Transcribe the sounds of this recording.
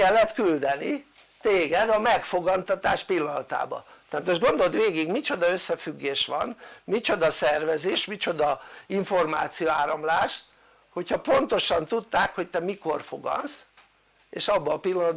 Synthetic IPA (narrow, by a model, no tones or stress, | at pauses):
kɛlːɛt̪kyld̪ɛni | t̪eːɡɛd̪ɒmɛkfo̞ɡɒnt̪ɒt̪aːʃpilːɒnɒt̪a̰ːbɒ̰t̪aːt̪moʒɡo̞nd̪olt̪ʋeːɡiɡmit͡ʃo̞d̪ɒøsːɛfyɡːeːʃʋɒ̰nmit͡ʃo̞d̪ɒsɛrvɛzeːʃmit͡ʃo̞d̪ɒiɱfo̞rma̰ːt̪sijoːaːɾɒmlaːʃ | ho̞chɒpo̞nt̪o̞ʃɒnt̪ut̪ːaːkho̞ct̪ɛmiko̞rfo̞ɡɒ̰ns | eːʃɒbːɒːpilːɒnɒd̪̚